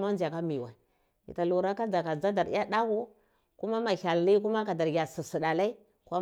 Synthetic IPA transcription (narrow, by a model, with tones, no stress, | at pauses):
ma˦nd͡ʒa˨ka˦mi˨wa˨ | ḭ˨ta˨lu˨ɾa˦ka˦d͡za˨ka˨d͡za˦da˨ɾḭ˦ja˦da˦ɡu˦ | ku˦ma˦ma˨ɬa˨lli˦k̬u˦ma˦ka˨da˨ɾɡʲa˨si˨si˨ɗa˨la˦i˦ | kʷa˦